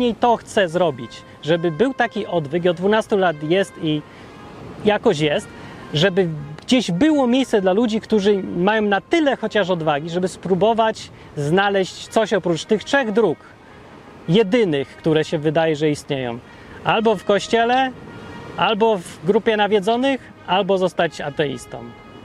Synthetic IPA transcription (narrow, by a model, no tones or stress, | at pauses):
ɲejt̪ɔxt̪sɛzɾɔbʲit͡ɕ | ʐɛbɘbɘwt̪akʲiʔɔd̪vɘk̬iɔd̪d̪vunast̪ulat̪jɛst̪i | jakɔɕ̬jɛst̪ʐɛbɘɡd͡ʑeʑbɘwɔmʲjejssɛd̪lalud͡ʑikt̪uʐɘmajɔ̃w̃nat̪ɘlɛxɔt͡ɕaʂ̬ɔd̪vaɡʲiʐɛbɘspɾubɔvat͡ɕ | znalɛɕt͡ɕt̪sɔɕɔpɾut͡ʂt̪ɘxtʂɛɣd̪ɾuk | jɛd̪ɘnɘxkt̪uɾɛɕɛvɘd̪ajɛʐɛist̪ɲejɔ̰̃w̃ | albɔfkɔɕt͡ɕɛlɛ | albɔvɡɾupʲjɛnavʲjɛd̪zɔnɘx | albɔzɔst̪at͡ɕa̰t̪ɛḭst̪ɔ̰m